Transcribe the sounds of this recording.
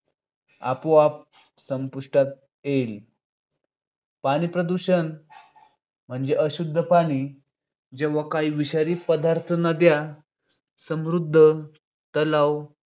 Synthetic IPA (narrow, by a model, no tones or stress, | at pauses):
a̰poap̚səmpuʂʈat̪̚ | el | paɽ̃iːpɾəd̪uɕən | m̤əɳd͡zeʔəɕud̪ʱːəpaɽ̃iː | d͡ʑeʋakaiʋiɕaɾiːpəd̪aɾt̪ʰənad̪ja | səmɾud̪ʱːə | t̪əlaw